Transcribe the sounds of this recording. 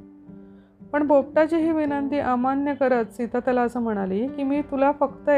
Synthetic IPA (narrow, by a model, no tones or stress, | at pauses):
pəɳbʱop̚ʈat͡ɕiɦiːʋinənt̪iːʔamanjəkəɾat͡s̪sit̪ʰat̪jalaəsəːm̤əɽ̃aliːkimiːt̪ulafəkt̪ə